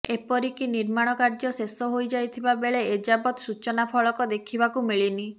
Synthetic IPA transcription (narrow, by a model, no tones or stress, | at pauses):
epɔɾikiniɾmaɽ̃ɔkaɾd͡ʒɔsesɔɦojd͡ʒajt̪ʰibabeɭeed͡ʒabɔt̪sut͡ʃɔnapʰɔɭɔkɔd̪ekʰibakumiɭini